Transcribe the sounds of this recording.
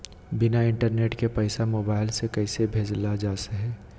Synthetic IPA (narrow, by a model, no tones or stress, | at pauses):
bɪnaɪ̃ɳʈəɾneːʈkepəɪsamoːbaːɪlsekɐɪsebʱeːd͡ʒlad͡ʒaːseɦɛː